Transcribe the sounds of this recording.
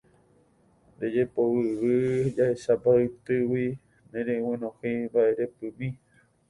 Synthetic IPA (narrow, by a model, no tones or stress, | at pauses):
ɾed͡ʒepowɨβɨd͡ʒaeʃabaɨt̪ɨwi | nẽɾew̃ẽnõhibaʔeɾepɨ̃mĩ